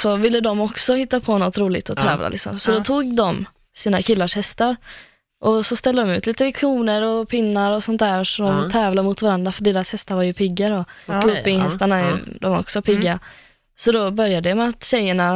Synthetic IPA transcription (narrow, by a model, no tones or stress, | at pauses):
sɔvɪlːəd̪ɔmɔksɔhɪt̪ːapʰɔnɔt̪ɾuːlɪ̰t̪ɔt̪ʰɛːvla̰lʔɪ̰ksɔ̰msɔd̪ɔt̪ʰuːɡd̪ɔm | siːnakʰɪlːaʂhɛst̪aɾ | ʔɔsɔst̪ɛld̪əd̪ɔmʉ̟ːt̪liːt̪əvɛkʰuːnəɾɔpʰɪnːaɾɔsɔnt̪̚d̪æːɾʂɔd̪ɔmt̪ʰɛːvlamʊt̪vaɾand̪ɾafœɖeːɾashɛst̪aɾvaɾjɵpʰɪɡːaɾɔɡuːpɪŋhɛst̪aɳaɛd̪ɔmɔ̰ksɔpʰɪɡːa | sɔd̪ɔbœɾjad̪əmɛat̪ɕɛjːəɳa